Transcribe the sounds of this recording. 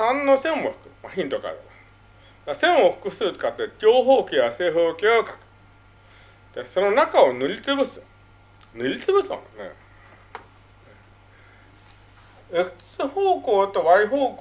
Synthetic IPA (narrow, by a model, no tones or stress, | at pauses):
sãnːosẽmoɸɯ̥kɯ̟maçĩnt̪oka̰d̪ema | d̪asẽ̞ɰ̃oɸɯ̟̥kɯ̟sɨːt̪o̥kat̪ːed͡ʑʲoːɦoːkʲiβaseːɦoːkʲeokḁkɯ̥ | d̪̥esononakao̞nɯ̟ɾʲit͡sɨbɯ̟sɨ | nɯɾʲit͡sɨbɯ̟so̰nḛ | e | ekɯ̥t͡sɨhoːkoːt̪oβaiɦoːk